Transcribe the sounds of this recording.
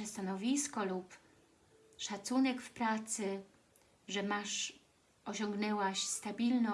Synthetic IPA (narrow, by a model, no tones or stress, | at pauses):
ɛst̪anɔvʲiskɔlup | ʂat̪sunɛkfpɾat̪sɘ | ʐɛmaʂ | ɔɕɔŋɡnɛwaɕst̪abʲilnɔ